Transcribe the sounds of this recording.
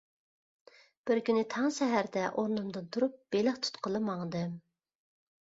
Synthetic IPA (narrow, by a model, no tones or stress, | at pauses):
b̥ɪɾkʲynɪt̪ʰɑŋʃɛɦæɾd̪ɛʔoɾnɨmd̪ɨnt̪ʰuɾup̚b̥elɪχt̪ʰu̥t̪qʰəlˠɨmɑŋd̪ɨ